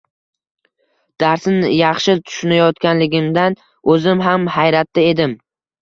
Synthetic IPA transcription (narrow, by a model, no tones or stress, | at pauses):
d̪̥aɾsɪnɪjɑχʃɪt̪ʰʊ̥ʃʊnajɒt̪kʲanlɪɡʲɪmd̪an | ɵzɪmɦamhajɾat̪ʰːɪe̞d̪ɪm